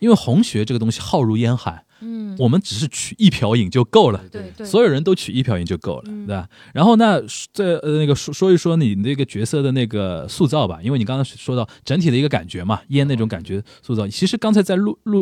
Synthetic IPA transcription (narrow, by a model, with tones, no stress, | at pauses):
i˥nwe˥˩ɪxʊ˧˥ŋɕɥɛ˧˥ʈ͡ʂɤ˥˩ɡə˩t̪ʊ˥ŋɕi˨xɑ˥˧ʊɻu˥˩jɛ˥nxa̰˧˥ɪ | wɔ˨˩mə˦nʈ͡ʂɻ̩˨˩ʂ̬ɻ̩˥˩t͡ɕʰy˨˩i˥˩pʰjɑ˧˥ʊi˨˩ŋt͡ɕjo˥˧ʊko˥˩ʊlə˩swɔ˧˥jo˨˩ʊɻə˧˥nt̪o˥ʊt͡ɕʰy˨˩i˥˩pʰjʊi˨˩ŋt͡ɕo˥˧ʊko˥˩ʊlə˩t̪we˥˩a˩ | ɻa˧˥nxo˥˧ʊna˥˩t͡sa˥˩ɪə˧ne˥˩ɡə˩ʂɔ˥ʂwɔ˥y˧˥ʂwɔ˥ni˨˩d̪ə˥˩˧ɡə˨t͡ɕɥɛ˧˥sɤ˥˧˩d̪ə˩ne˥˩ɪɡə˩su˥˧t͡sɑ˥˩ʊbɐ̰˩i˥nwe˥˩ɪn˨˩˧ɑ˥ŋt͡sʰa˧˥ʂwɔ˥d̪ɑ˥˩ʊʈ͡ʂə˧˥nt̪ʰi˨˩ə˦i˧˥ɡə˧ka̰˨˩nt͡ɕɥɛ˧˥mɐ˨jɛ˥nne˥˩ʈ͡ʂʊ˧˥ŋka̰˨˩nt͡ɕɥɛ˧˥su˥˧t͡sɑ˥˩ʊ˩t͡ɕʰi˧˥ʂɻ̩˧˥kɑ˥ŋt͡sʰa˧˥ɪt͡sa˥˧ɪlu˥˧lu˥˧